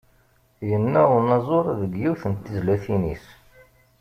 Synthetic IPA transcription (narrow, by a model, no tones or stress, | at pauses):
jənːæʊɾnɑzˤoɾˤðəɡjiwθənt̪ːizlæθinis